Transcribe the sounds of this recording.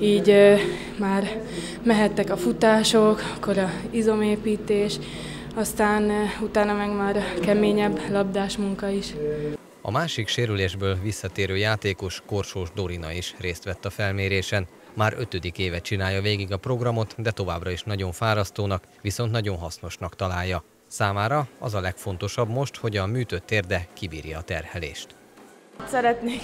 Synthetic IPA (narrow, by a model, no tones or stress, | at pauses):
iːɟ | maːr | mɛɦɛt̪ːɛkɒfut̪aːʃo̞kkːoɾɒizo̞meːpiːt̪eːʃ | ɒst̪aːnut̪aːnɒmɛɡmaːɾkɛmeːɲɛbːlɒbd̪aːʃmuŋkɒiʃ | ɒ̰maːʃikʃeːɾyleːʒbøːlvisːɒt̪eːɾøːjaːt̪eːko̞ʃko̞rʃoːʒd̪o̞ɾinɒ̰iʃreːst̪ʋɛt̪ːɒfɛlmeːɾeːʃɛn | maːɾø̞t̪ød̪ikeːvɛt̪̚t͡ʃinaːjːɒveːɡiɡɒpro̞ɡrɒmo̞t̪d̪ɛt̪o̞vaːbrɒiʃnɒɟo̞ɱfaːɾɒst̪oːnɒk | ʋiso̞nt̪nɒɟo̞nɦɒsno̞ʃnɒkt̪ɒlaːjːɒ | saːmaːɾɒɒ̰zɒlɛkfo̞nt̪o̞ʃɒbmo̞ʃt̪ho̞ɟɒmyːt̪øt̪ːeːrd̪ɛkibḭːrjɒːt̪ɛrhɛlḛːʃt̪ | t̪sɛɾɛt̪neːk